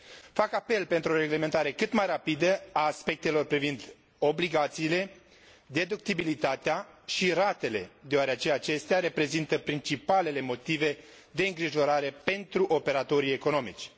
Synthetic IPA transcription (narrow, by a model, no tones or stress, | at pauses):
fakape̞lpe̞nt̪ɾuoɾe̞ɡle̞me̞nt̪aɾe̞kɨt̪majrapid̪əaːspe̞k̚t̪e̞lo̞rpɾivind̪ | o̞bliɡat̪siːle̞ | d̪e̞d̪uk̚t̪ibilit̪at̪eaʃiɾat̪e̞le̞d̪eoaɾeat͡ʃeat͡ʃe̞st̪eaɾe̞pɾe̞zint̪əpɾint͡ʃipale̞le̞mo̞t̪ive̞ | d̪e̞ɨŋɡɾiʒo̞ɾaɾe̞pe̞nt̪ɾuʔo̞pe̞ɾat̪o̞ɾie̞ko̞no̞mḭt͡ʃʲ